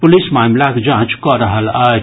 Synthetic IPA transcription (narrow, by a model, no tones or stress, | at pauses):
pʊlismamlaked͡ʒãt͡ʃkɔɾəɦəla